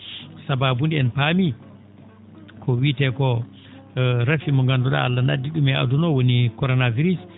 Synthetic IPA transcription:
sababundɛɛnpami | kʰɔwitɛkɔ | ɾafimɔŋɡanduɗa̰alːanadːiɗumɛa̰dunɔwonikɔɾɔnaviɾis

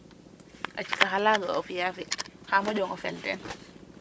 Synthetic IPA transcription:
ʔat͡ʃi̥kaɦalaɡaɔ̰fijafɛhamɔd͡ʒɔŋɔfɛltɛ̰n

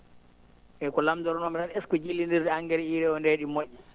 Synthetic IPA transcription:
ʔɛkɔlamdɔɾɔnɔmɛɗanɛskɔd͡ʒilːindiɾdɛaŋɡɛɾɛiɾɛɔndeɗimoʔːi

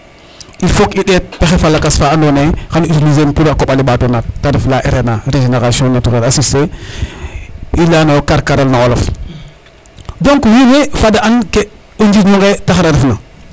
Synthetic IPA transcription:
ifokiɗet̚taxefalːakasfaːandonexanitilizemtuɾakoɓalibatonat̚ːadiflaʔeɾenaɾed͡ʒeneɾasionatuɾelasise | ilanokaɾkaɾelnaolof | doŋkwiwefadaanke | uɲd͡ʒinuŋɡetaxɾaɾifna

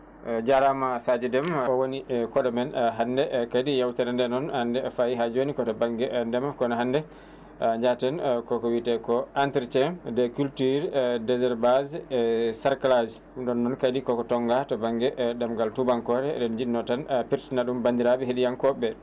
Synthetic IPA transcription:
d͡ʒaɾamasad͡ʒɛdɛmɔwonikɔɗɔmɛnɦandɛkadijawtɛɾandɛnɔnhandɛfajiɦad͡ʒonikɔtɔbaŋɡɛdɛmakɔnɔɦandɛ | ɲd͡ʒatɛnkɔkɔwitɛkɔantɛɾtɛndɛkultiɾdɛzɛɾbazɛsaɾklad͡ʒ | ɗɔnːɔnkadikɔkɔtɔŋɡatɔbaŋɡɛdamɡaltubaŋkɔɾɛɗɔnd͡ʒiɗinɔtanpiɾtinaɗumbandiɾabɛɦeɗijankɔbɛ

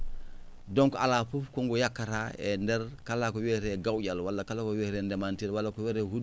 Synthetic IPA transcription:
doŋkalafufkoŋɡojakːaɾaendɛɾkalːakoweɾeɡawɟalwalːakalakoweɾendemantilwalːakoweɾehud

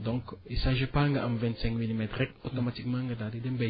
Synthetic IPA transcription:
dɔ̃ŋkisaʒepaŋɡaʔamvɛ̃nt̪sɛ̃ŋkmilimɛt̪rɛk̚tot̪omat̪ikmãŋɡadadidɛmbɛ

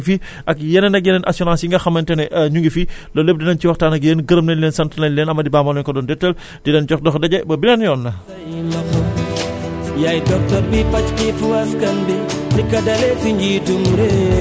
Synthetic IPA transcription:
fi | ʔɐkjɛnɛnɐk̚jɛnɛnʔɐ̰sɔɾãːnsjiŋɡɐxɐmɐntɛnɛʔɲuŋɡifilɔlep̚dinɐnciwɐxtaːnɐkjɛnɡəɾəmnɐnlɛnsɐntɐnɐnlɛːnɐmɐdibamɐlɛnkɔdɔndɛtːɐl | dinɛnd͡ʒɔxdɔxdɐɟɛbɐbinɐnjɔːnːɐ | mɐ | jajtɐp̚tɐbipɐt͡ʃkifuwɐskɐmbidikɐdɐletiɲd͡ʒiduŋɾe

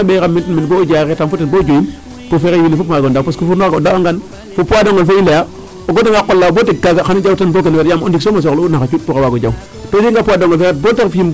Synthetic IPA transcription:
aɓekamiltiminbod͡ʒaketamfutinbod͡ʒojin | pofekewinifukmaɡondapaskufunoɡodaaŋɡan | fopuwadoŋɡolfeinleja | oɡotaŋɡakːolːabotikːaɡaxanid͡ʒawtanbok̬enetjamo̰disomas̬oklonaat͡ʃut̚pukawaɡod͡ʒaw | tod͡ʒiŋɡapuwadoŋɡolfeet̚botakfii

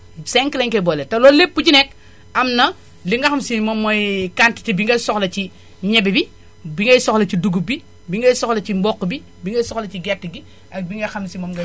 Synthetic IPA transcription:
seŋkilɐŋkebɔletɐlɔːlepːuɟinɛk | ɐmnɐ | liŋɡɐxɐmsimɔmːɔjkanti̥tibiŋɡɐjsɔxlɐt͡ʃi | ɲɛbibi | biŋɡɐjsɔxlɐt͡ʃiduɡubi | biŋɡɐjsɔxlɐcimbɔkːbi | biŋɡɐjsɔxlɐt͡ʃiɡɛtːɡi | ɐk̚biŋɡɐxɐmsimɔmɡɐ

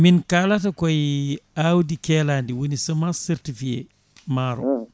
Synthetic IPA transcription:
minkalatɐkɔjawdikɛlaːndiwunisɐmasɛɾtifiḛ | maɾɔ̰

